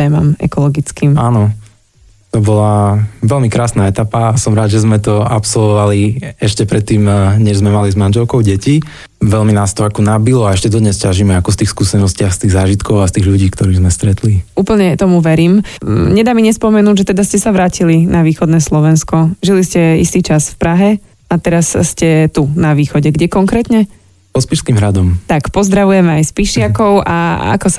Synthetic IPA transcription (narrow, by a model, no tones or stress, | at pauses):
ɛːmamɛ̰kɔlɔɡit͡skiːmaːnɔ | t̪ɔbɔlaʋɛlmikɾaːsnaːɛt̪apaːsɔmɾaːd̪ʒɛzmɛt̪ɔapsɔlʋɔʋaliɛʃcɛpɾɛt̪ːiːmɲɛʒzmɛmalizmanʒɛlkɔʊɟɛci | ʋɛlminaːst̪ɔakɔnabilɔaɛʃcɛd̪ɔd̪ɲɛscaʒimɛakɔst̪iːxskuːsɛnɔscɪaxst̪iːɣzaːʒit̪kɔʊast̪iːɣʎuɟiːkt̪ɔɾiːɣzmɛst̪ɾɛt̪liuːpl̩ɲɛt̪ɔmuʋɛɾiːmɲɛd̪aːmiɲɛspɔmɛnuːɟʒɛt̪ɛd̪ascɛsaʋɾaːcilinaʋiːxɔd̪nɛːslɔʋɛnskɔʒiliscɛist̪iːt͡ʃasfpɾaɦɛ | at̪ɛɾasscɛt̪unaʋiːxɔɟɛɡɟɛkɔŋkɾɛːt̪ɲɛ | pɔspiʃskiːmɦɾad̪ɔmt̪akpɔzd̪ɾaʋujɛmɛajspiʃɪakɔʊʔa̰a̰kɔsa